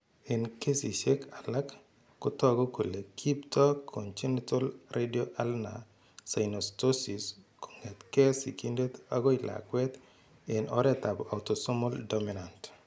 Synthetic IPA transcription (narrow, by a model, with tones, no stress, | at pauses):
ɪ˨nke˦si˨ʃe˦ka˨la˦kː | ʊ˦tɔ˦aɡɔ˦ko˨le˨kʰi˦ptɔ˦kʰːont͡ʃi˦nitɔ˦lredio˦ʔa˦lna̰˨ | sa˨jnostosisko̥˨ŋɛ˨t̪kɛ˦si˨ki˦nde˦t̪a̰˦ɡɔ˦i˨la̰˨kwɛ˦t̪ | ɪ˨nʔɔɾɛt̪a˨ba˨wto˨sɔ˦mɔ˦ldomi˨nant